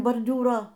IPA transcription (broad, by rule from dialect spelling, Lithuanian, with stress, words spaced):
boːrʲˈdʲuːroː